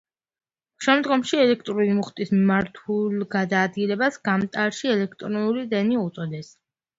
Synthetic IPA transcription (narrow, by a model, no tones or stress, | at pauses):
ʃɛmd̪ɡɔmʃiɛlɛk̚ʰt̪ʼɾulimuχt̪ʼismimaɾt̪ʰulˠɡad̪aːd̪ɡilɛbasɡamt̪ʼaɾʃiɛlɛkʰt̪ʼɾɔnulid̪ɛniut̪sʼɔd̪ɛs